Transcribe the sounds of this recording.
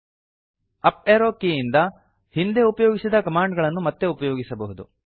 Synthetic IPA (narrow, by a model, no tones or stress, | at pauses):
ɐpeːɾoːkːijind̪ɐ | hind̪e̞upɐjoːɡisid̪ɐkɐmaːɳɖɡɐɭɐnːumɐt̪ːe̞upɐjoːɡisɐbɐɦud̪u